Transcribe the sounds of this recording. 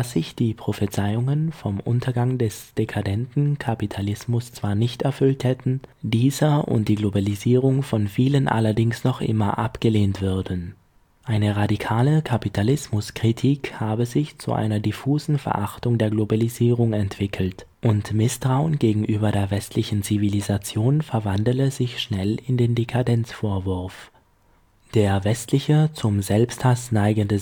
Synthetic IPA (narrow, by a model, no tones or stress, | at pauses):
dasz̥ɪçd̥iːpʁ̥ofət͡saɪʊŋənfɔmʔʊ̰ntʰɐɡaŋdɛsd̥ekʰadɛntn̩kʰapitʰalɪsmʊst͡sv̥aːɐnɪçtɛɐfʏlthɛtn̩diːzɐʔʊ̰nt̚d̥iːɡlobaliziːʁ̞ʊŋfɔnfiːlənʔa̰lɐdɪŋsnɔχʔɪ̰mɐ̰ʔa̰pɡ̥əleːntv̥ʏɐdn | ʔaɪnəʁadikʰaːləkʰapitʰalɪsmʊskʁ̥itʰiːkhaːbəzɪçt͡sṵʔa̰ɪnɐdifuːzn̩fɛ̰ɐʔaχtʊŋdeːɐɡlobaliziːʁ̞ʊŋɛntv̥ɪkʰl̩tʔʊntmɪstʁ̥aʊənɡeːɡŋ̩ʔyːbɐdeːɐvɛstʰlɪçn̩t͡sivilizat͡sjoːnfɛɐvandləzɪçʃnɛlɪndeːndekʰadɛnt͡sfoːɐvʊɐf | d̥eːɐvɛstlɪçət͡sʊmzɛlpsthasnaɪɡəndə